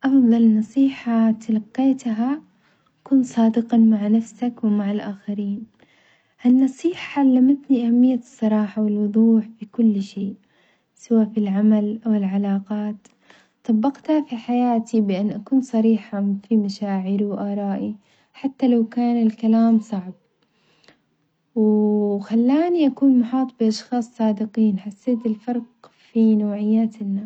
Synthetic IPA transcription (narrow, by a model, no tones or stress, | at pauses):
ʔɑfðˤɑlnɑsˤiːħat̪alɑqːeːt̪ɦa | akuːnsˤɑːd̪ɪqɑmaʕnafsakwɪmaʕalʔaːxaɾiːn | ʔanːɑsˤiːħaalːamat̪niʔahamːɪjːasˤːɑɾˤɑːħawɪlwʊðˤuːħfikʊlːʃeːʔ | sɪwaːfilʕamalʔawɪlʕalaːqɑːt̪ | t̪ˤɑbːɑqt̪hafiħajaːt̪ibɪʔanːʔakuːnsˤɑɾiːħafimaʃaːʕɪɾiwʔɑːɾˤɑːʔi | ħat̪ːalawkaːnɪlkalaːmsˤɑʕb̚ | wxalːaːniʔakuːnmʊħɑːt̪ˤbiʔɑʃxɑːsˤːɑːd̪ɪqiːnħasːeːt̪ɪlfɑɾˤq | finawʕɪjːaːt̪ɪnːa